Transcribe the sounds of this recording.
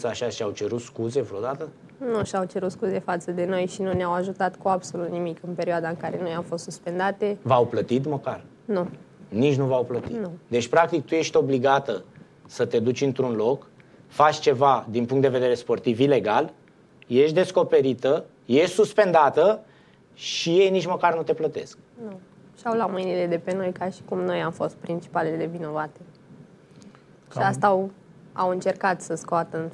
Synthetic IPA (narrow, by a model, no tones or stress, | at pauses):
saʃaʃiawt͡ʃe̞ɾut̪skuze̞vɾod̪at̪ə | nuʃawt͡ʃe̞ɾut̪skuze̞fat̪səd̪e̞no̞jʃinuneawaʒut̪at̪kuabso̞lut̪nimikɨnpe̞ɾiad̪aɨŋkaɾe̞no̞jamfo̞st̪suspe̞nd̪at̪e̞vawplət̪it̪məkar | nunit͡ʃʲnuvawplət̪inud̪e̞t͡ʃʲpɾak̚t̪ik̚t̪uje̞ʃt̪ʲo̞bliɡat̪ə | sət̪e̞d̪ut͡ʃʲɨnt̪ɾunlo̞k | fat͡ʃʲt͡ʃe̞vad̪inpuŋkt̪d̪eve̞d̪eɾe̞spo̞rt̪ivile̞ɡal | je̞ʃt̪d̪e̞sko̞pe̞ɾit̪ə | je̞ʃsuspe̞nd̪at̪ə | ʃije̞jnit͡ʃməkarnut̪e̞plət̪e̞̰sk̚ | nu | ʃawlamɨjniled̪e̞pe̞no̞jkaʃi̥kumno̞jamfo̞st̪̚pɾint͡ʃi̥palelelevino̞vat̪e | ʃiast̪aw | a̰wɨnt͡ʃe̞rkat̪səskoat̪ən